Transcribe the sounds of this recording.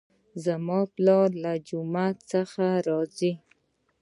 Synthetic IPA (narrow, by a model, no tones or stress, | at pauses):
zamɑplɑlad͡ʒʊmat̪səxaɾɑzi